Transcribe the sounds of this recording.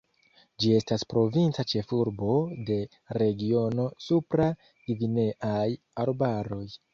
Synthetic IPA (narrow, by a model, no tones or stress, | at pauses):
d͡ʒie̞staspɾo̞vint͡sat͡ʃe̞fuɾbo̞de̞ | ɾe̞ɡio̞no̞supɾa | ɡ̥ivine̞ʔaj | aɾbaɾo̞j